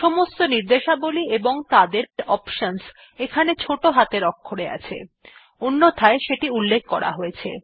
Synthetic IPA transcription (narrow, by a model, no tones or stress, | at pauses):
ʃɔmost̪oniɾd̪eʃabolieboŋt̪ad̪eɾɾɔpʃons | ekʰanet͡ɕʰoʈoɦat̪eɾɔkʰːoɽea̰t͡ɕʰḛ | onːot̪ʰaeʃeʈiulːek̚ʰkɔɾa̰ɦojet͡ɕʰḛ